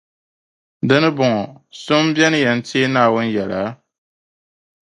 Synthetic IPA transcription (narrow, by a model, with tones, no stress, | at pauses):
dɨ˦nɨ˦bʊ˨ŋɔ˨sʊ˦m˦bjɛ˦nɨ˦jɛ˨n̩˦teː˦naː˨wʊ˦n̩˦jɛ˨laː˨˦